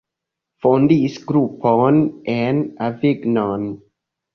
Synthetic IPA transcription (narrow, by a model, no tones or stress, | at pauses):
fɔnd̪iːsɡɾupʰːɔnʔɛnavɪɡnan